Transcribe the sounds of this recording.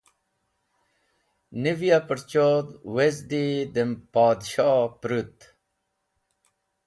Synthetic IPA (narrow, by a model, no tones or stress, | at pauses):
nivijapəɾt͡ɕoːd̪wezd̪id̪empaːd̪ɕaːpɾut̪